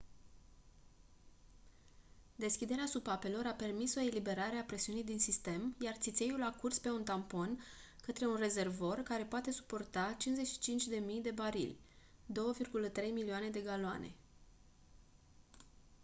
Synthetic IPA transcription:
d̪e̞skʲid̪e̞ɾeasupape̞lo̞ɾape̞rmiso̞e̞libe̞ɾaɾe̞apɾe̞siunijd̪insist̪e̞mjart̪sit̪se̞julakurspe̞unt̪ampo̞n | kət̪ɾe̞unre̞ze̞rvo̞rkaɾe̞poat̪e̞su̥po̞rt̪at͡ʃinzeʃi̥t͡ʃint͡ʃʲd̪e̞mijd̪e̞baɾḭlʲ | d̪o̞wəvirɡulət̪ɾe̞jmilioane̞d̪e̞ɡaloa̰ne̞̰

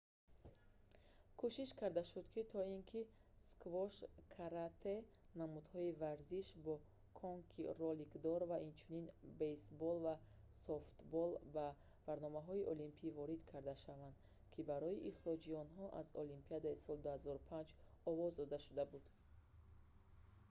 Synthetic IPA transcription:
kʰuʃiʃkʰaɾd̪aʃud̪kʰit̪ʰɔinkʰiskvɔʃkʰaɾat̪ʰenamud̪hɔivaɾziʃbɔ | kʰɔŋkʰirɔlikd̪ɔɾvaʔint͡ʃʰuninbesbɔlva | soft̪bɔlba | v̥aɾnɔmaɦɔiʔɔlimpʰivɔɾid̪kʰaɾd̪aʃavand̪ | kʰibaɾɔiʔiχɾɔd͡ʒiɔnɦɔʔazɔlimpiad̪aisɔld̪uhazɔɾupʰand͡ʒɔvɔzd̪ɔd̪aʃud̪abud̪̥

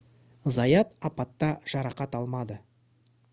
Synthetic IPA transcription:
zɑjɑt̪ɑpɑt̪ːɑʒ̥ɑɾɑqɑt̪ɑlˠmɑd̪ə

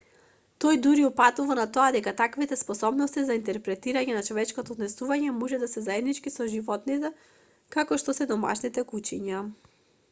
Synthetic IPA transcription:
t̪ɔjd̪uɾiupat̪uvanat̪ɔad̪ɛkat̪akvit̪ɛspɔsɔbnɔst̪izaint̪ɛɾpɾɛt̪iɾaɲɛnat͡ʃɔvɛt͡ʃkɔt̪ɔːd̪nɛsuvaɲɛmɔʒɛd̪asɛzaɛd̪nit͡ʃkisɔʒivɔt̪nit̪ɛ | kakɔʃt̪ɔsɛd̪ɔma̰ʃnit̪ɛkut͡ʃiɲa

